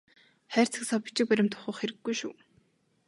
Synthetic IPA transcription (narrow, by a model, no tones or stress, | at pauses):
χæːr̥ʲt͡sʰɘ̆ksɔpʲi̥t͡ɕɪ̆k̚pæɾʲɪ̆mt̪ʰʊ̥χə̆χxeɾɘ̆ɡːujʃuː